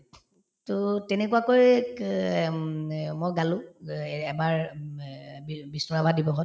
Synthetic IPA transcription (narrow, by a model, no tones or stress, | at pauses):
tɔtɛnɛkuakoj | mojɡaluɛbaɹ | bibisnɔɹabʱadibɔɦɔt